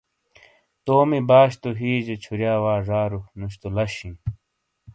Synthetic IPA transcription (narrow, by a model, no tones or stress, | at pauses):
t̪oːmibaːɕt̪oɦiːd͡ʑet͡ɕʰuɾjaːwaːʐaːɾunuɕt̪olɐɕĩn